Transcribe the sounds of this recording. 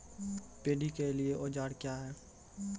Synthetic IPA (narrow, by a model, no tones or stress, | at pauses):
peːɖikelieʔoːd͡ʒaːɽkjaːɦɛː